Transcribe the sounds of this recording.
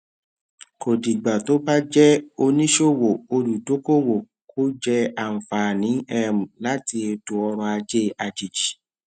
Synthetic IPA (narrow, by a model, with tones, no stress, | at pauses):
ko˨di˨ɡ͡ba˨to˨˦ba˦d͡ʒɛ˦o˧nĩ˦ʃo˦wo˨o˧lu˨do˨˦ko˦˨wo˨ | ko˦d͡ʒɛ˦a˦˨m̩˨fa˨nĩ˨˦ɛ˦˨mũ˨la˦ti˧e˧do˨ɔ˧ɾ̃ɔ̃˧a˧d͡ʒe˦a˧d͡ʒi˨d͡ʒi˨